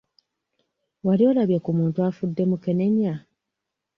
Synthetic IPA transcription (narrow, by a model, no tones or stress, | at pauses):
walio̞ːlaβjakumuːntuafudːe̞muke̞ne̞ɲa